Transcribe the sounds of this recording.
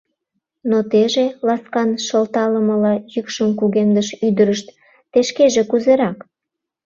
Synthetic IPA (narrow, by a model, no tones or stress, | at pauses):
not̪eʒelɑskɑnʃəlt̪ɑləməlɑjykʃəmkuɣemd̪əʃyd̪əɾəʃt̪ː | eʃkeʒekuzeɾɑk